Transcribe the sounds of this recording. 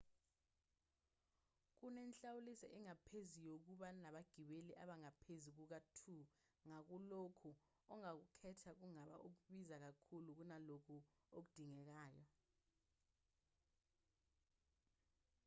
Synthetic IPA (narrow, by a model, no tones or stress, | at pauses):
k̬unɛnt͡ɬawulisɛʔɛŋapʰezijok̬uɓanaɓaɡ̥ʱiɓeliʔaɓaŋapʰezik̬uk̬atʰu | ŋak̬ulokʰu | ɔŋak̬ukʰɛtʰak̬uŋaɓa̰ʔok̬uɓizak̬akʰuluk̬unalokʰuok̬ud̥ʱiŋɛk̬aːjɔ